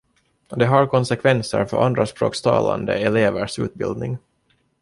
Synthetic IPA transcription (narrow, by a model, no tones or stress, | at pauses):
d̪ɛɦaɾkʰɔnsɛkʰvɛnsə̰ɾfœɾʔand̪ɾaspɾo̰ːkst̪ʰɑ̰ːla̰nd̪əɛleːvəʂʉ̟ːt̪̚bɪld̪̚nɪŋ